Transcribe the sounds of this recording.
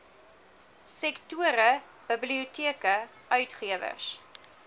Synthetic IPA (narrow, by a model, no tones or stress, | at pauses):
sɛktuəɾə | b̥əbliutiəkə | ʔœɥtχiəvə̰rs